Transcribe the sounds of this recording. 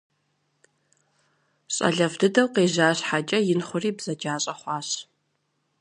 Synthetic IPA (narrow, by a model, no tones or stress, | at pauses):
ɕʼɐ̰ɮɐfdɨdɐwqeːʑaːɕħat͡ʃʼɐjɪnχʷʊriːbz̥ɐd͡ʒaːɕʼɐχʷɑːɕ